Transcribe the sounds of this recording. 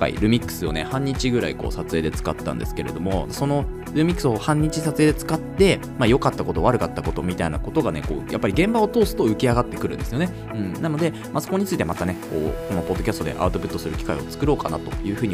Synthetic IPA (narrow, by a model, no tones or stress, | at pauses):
ka̰ḭɾɯ̟mʲikːɯ̟̥sɨo̞̰ne̞hãɲ̟ːit͡ɕiɡɯ̟ɾa̰iko̞̰ːsat͡sɨeːd̪e̞t͡sɨ̥kat̪ːã̰nd̪e̞sɨ̥ke̞ɾe̞d̪o̞mo̞so̞no̞ | ɾɯ̟mʲikɯ̟̥sɨo̞hãɲ̟ːit͡ɕisat͡sɨe̞ːd̪e̞t͡sɨ̥kat̪ːe̞ | majo̞kat̪ːako̞t̪o̞βaɾɯ̟kat̪ːako̞t̪o̞mʲit̪aina̰ko̞t̪o̞ɡane̞̰ko̞̰ːja̰pːaɾʲiɡẽ̞mbao̞t̪o̞ːsɨ̥t̪o̞ɯ̟kʲiaɡat̪ːe̞kɯɾɯ̟̃nd̪e̞sɨjo̞ne̞ | ɯ̟̃ɴnano̞d̪e̞ | mʔaso̞ko̞ɲ̟it͡sɨit̪emat̪ane̞ko̞̰ːko̞no̞po̞d̪ːokʲast̪o̞d̪e̞̰ʔa̰ɯ̟t̪o̞pɯ̟t̪ːosɨɾɯ̟kʲi̥kaio̞t͡sɨ̥kɯ̟ɾo̞ːka̰na̰t̪o̞jɯ̟ːɸɯ̟ːɲ̟i